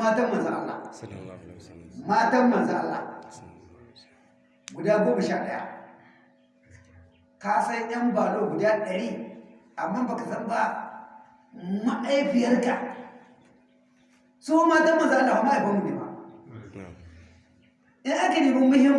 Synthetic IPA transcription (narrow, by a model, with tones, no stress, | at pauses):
aː˦tɐ˦mɐ˨nza˦ʔa̰˦lːa̰˨ | maː˦ta˦mmɐ˨nza˦ʔa˦lːa̰˨ | ɡʷʊ˨da˦ɡʷoː˦ma˨ʃaː˦ɗɐ̰˦ja̰˦ | ka˦sa˦njɐ˦mbaː˨lo˦ɡʷʊ˨da˦ɗɐ˨ɾiː˦ | a˨mːa˦ba˨ka˨zɐ˦mba˦ | ma˦ʔa˦jɸɪ˨jɐ˦rka˨ | soː˦maː˦tɐ˦mːɐ˨nza˦ʔa˦lːa˨ka˨˦ma˦ʔa˨ɸa˦mːu˨ni˨ma̰˨ | ʔɪ˦ŋʔa˦ka˨niː˨ba˦mʊ˦hɪ˦m